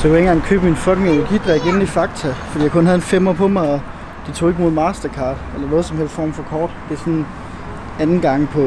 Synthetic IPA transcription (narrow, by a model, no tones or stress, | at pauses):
sɒkʰu̥enɡ̥ɑ̈ŋkʰø̰ːb̥minfɒ̽ɡ̥eŋenæɡ̥id̥ʁɛɡ̥e̝nn̩ifɑ̈ɡ̥̚t͡sʰæfd̥ḭjɑɪkʰɔ̽nhæð̞̩ˠenfemoɐpʰɒ̽mɑ̈ɪɒ̽ | d̥it͡sʰo̝ːe̝ɡ̥mo̝ðˠmɑ̈ːsd̥ɐkʰɑ̈ːd̥elɐnɔ̽ːð̞̩ˠsɒ̽mhel̰stfɒ̰ːmfɒ̽kʰɒːd̥d̥e̝sɔ̽n | ænn̩ɡ̥ɑ̈ŋ̰pʰɒ̽